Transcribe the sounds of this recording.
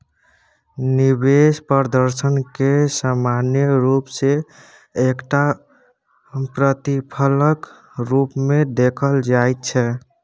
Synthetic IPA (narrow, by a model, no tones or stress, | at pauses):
nibespəɾd̪əɾsənkesamanjəɾupseː | kʈa | pɾət̪ipʰələk | ɾupmed̪ekʰəld͡ʒajt̪̚t͡ʃʰɛ